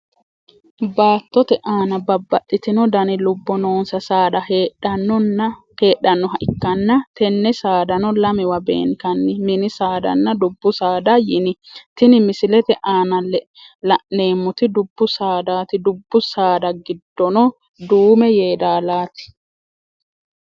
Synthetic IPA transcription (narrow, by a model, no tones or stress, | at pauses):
baːt̪ːɔt̪ɛʔaːnɐbɐbːɐtʼːɪt̪ɪnɔd̪ɐnɪlʊbːɔno̞ːnsɐsaːd̪ɐhɐnːɔnɐ | he̞ːɗːɐnːɔɦɐʔɪkːɐnːɐt̪ɛnːɛsaːd̪ɐnɔlɐmɪwɐbḛːŋkɐnːɪmɪnɪsaːd̪ɐ̰nːɐd̪ʊbːʊsaːd̪ɐjɪnɪt̪ɪnɪmɪsɪlɛt̪ɛʔaːnɐlɛ | lɐʔne̞ːmːʊt̪ɪd̪ʊbːʊsaːd̪aːt̪ɪd̪ʊbːʊsaːd̪ɐɡɪd̪ːɔnɔ | d̪uːmɛjeːd̪aːlaːt̪ɪ̥